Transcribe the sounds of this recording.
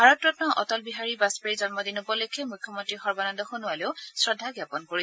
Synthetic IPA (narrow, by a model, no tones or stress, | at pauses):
bʱaɹɔt̚pɹɔtnɔʔɔ̰tɔlbiɦaɹibaspeɹizɔnmɔdinubɔlojkʰɛmujkʰːjɔmɔntɹixɔɹbanɔndɔxonʊaleʊsɹɔdʱːaɡjapɔnkoɹi